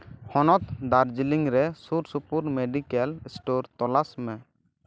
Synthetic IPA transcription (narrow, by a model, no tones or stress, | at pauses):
hɔnɔt̪̚d̪aɾd͡ʒiliŋɾɛsuɾsupuɾmeɖikɛlsʈɔɾt̪ɔlasmɛ